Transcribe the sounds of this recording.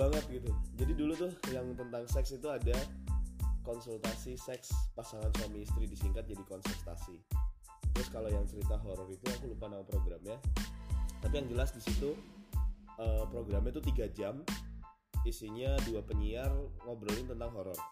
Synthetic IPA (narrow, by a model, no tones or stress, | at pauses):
aŋət̪̚ɡit̪ud͡ʒadidulut̪ʊhjaŋt̪ənt̪aŋsɛksit̪uada | kɔnsult̪asisɛkspasaŋanswamiːst̪ɾidisiŋkat̪̚d͡ʒadikɔnsɛrt̪a̰si | t̪ɾʊskalojaŋt͡ʃəɾit̪aɦoɾɔrit̪uakulupanapɾoɡɾamja | t̪apijaŋd͡ʒəlasdisit̪u | əpɾoɡɾamɲat̪ut̪iɡad͡ʒam | isiɲaduapəɲiarŋobɾəlɪnt̪ənt̪aŋɦoɾɔr